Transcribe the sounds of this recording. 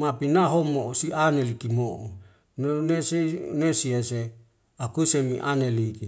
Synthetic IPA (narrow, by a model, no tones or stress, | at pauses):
mapinaɦomosianelikimoʔo | nonesenesiese | akusemḭʔa̰neliki